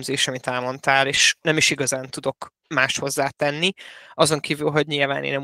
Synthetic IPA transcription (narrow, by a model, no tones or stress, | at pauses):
mzeːʃɒmit̪ɛlmo̞nt̪aːleːʃnɛmiʃiɡɒzaːnt̪ud̪o̞k | maːʃt̪ho̞zːaːt̪ɛnːiɒzo̞ŋkiːvylɦo̞ɟɲilvaːnḛnɛ